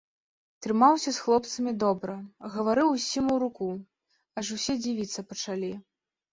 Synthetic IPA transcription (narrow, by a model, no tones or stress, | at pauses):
t̪ɾɨmawsʲɐsxlˠɔpt̪sɐmʲid̪ɔbɾɐɣɐvaɾɨwsʲimuɾuku | ɐʂusʲɛd͡zʲivʲit̪sːɐpɐt͡ʂalʲi